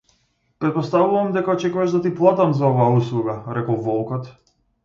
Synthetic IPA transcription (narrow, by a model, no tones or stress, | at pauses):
pɾɛt̪̚pɔst̪avuvamd̪ɛkaɔt͡ʃɛkvɛʒd̪at̪iplˠat̪amzaɔvaːuslˠuɡaɾɛkɔlˠvɔlˠkɔt̪